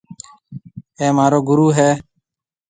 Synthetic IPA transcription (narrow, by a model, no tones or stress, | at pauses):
eːmaːɾoːɡʊɾuːɦeː